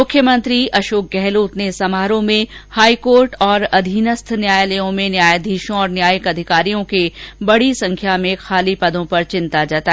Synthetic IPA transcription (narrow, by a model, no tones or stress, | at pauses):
mʊkʰːjəmə̃nt̪ɾiʔɐʃoːk̚ɡɛɦloːt̪nesɐmaːɾõmẽhaːikoːɾʈɔːɾɐd̪ʱiːnəst̪ʰnjaːjləjõmẽnjaːjd̪ʱiːʃõɔːɾnjaːjəkɐd̪ʱɪkaːɾijõkebɐɽ̤isɐ̃ŋkʰjamẽxaːlipɐd̪ʱõpɐɾt͡ʃɪ̃nt̪ad͡ʒat̪a